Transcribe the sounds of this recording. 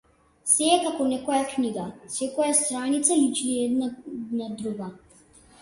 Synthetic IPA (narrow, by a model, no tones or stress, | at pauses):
sɛːkakɔnɛkɔjakniɡasɛkɔjast̪ɾanit̪salit͡ʃniɛd̪nanad̪ɾuɡa